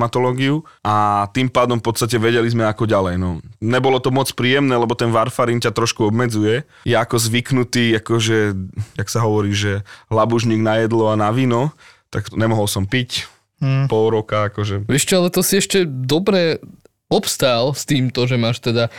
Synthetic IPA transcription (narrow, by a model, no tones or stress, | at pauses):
mat̪ɔlɔːɡiuʔat̪iːmpaːd̪ɔmfpɔt̪st̪acɛʋɛɟɛlizmɛakɔɟalɛjnɔɲɛbɔlɔt̪ɔmɔt͡spɾiːjɛmnɛːlɛbɔt̪ɛnʋaɾfaɾiːncat̪ɾɔʃkuɔbmɛd͡zujɛ | jɛakɔzʋiknut̪iːakɔʒɛjaksaɦɔʋɔɾiːʒɛlabuʒɲiːɡnajɛd̪lɔanaʋiːnɔ | t̪akɲɛmɔɦɔlsɔmpic | pɔlɾɔkaakɔʒɛʋɛʃt͡ʃɔalɛt̪ɔsiɛʃcɛd̪ɔbɾɛ | ɔpst̪aːlst̪iːmt̪ɔʒɛmaːʃt̪ɛd̪a